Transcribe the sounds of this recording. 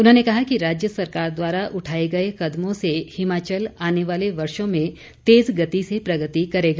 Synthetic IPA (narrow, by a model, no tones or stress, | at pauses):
ʊnɦõnekɐɦakiɾaːd͡ʒjəsɐɾkaːɾd̪waːɾaʔʊʈʰaːeɡɐekɐd̪mõsehɪmaːt͡ʃəlaːneʋaːleʋɐɾʃõmẽ | t̪eːzɡɐt̪isepɾɐɡət̪ikɐɾeːɡaː